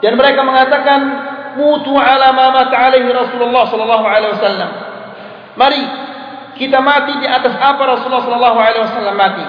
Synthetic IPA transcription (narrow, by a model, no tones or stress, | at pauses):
danməɾekaməŋat̪akanmut̪uʕalamamat̪aʕalaɦiɾɔsululːɑhsɔlɔlːɑɦuʕalewasalːamː | aɾi | kit̪amat̪idiʔat̪asapaɾɔsulːɑhsɔlɔlːɑɦualewasalːamːat̪i